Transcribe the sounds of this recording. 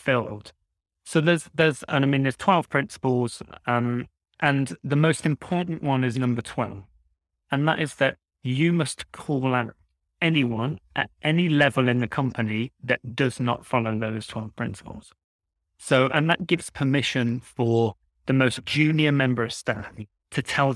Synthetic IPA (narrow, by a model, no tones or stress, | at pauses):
fɪllˠd̥ | soʊðə˞zðəzɪmĩnðəz̥tʰw̥ɛlˠv̥pʰɹ̥ɪ̃nsə̥pl̩ˠz̥ʌ̃m | ʔə̃nðəmoʊstɨ̃mpʰɔɹʔn̩ʔwʌ̃nɪznʌ̃mbə˞tʰw̥ɛ̰lˠv | ə̃nðəɾɪzðɨt͡ʃ | ɨmʌskʰɔlˠə̃ɾ | ɛniwʌ̃nʔə̰ɾʔɛnilɛvəlˠɨ̃nðɨkʰʌ̃mpɨniðɨt̚d̥ʌznə̰tfɑlˠoʊðoʊz̥tʰw̥ɛlˠv̥pʰɹ̥ɪ̃nsə̥pə̰l̩ˠz̥ | soʊʔə̃nðət̚ɡ̥ɪvz̥pʰəmɪʃɨ̃nfə˞ | ðɨmoʊsd̥ʒ̥ʉ̃njəmɛ̃mbə˞stæ̃n | tʰɨtʰɛlˠ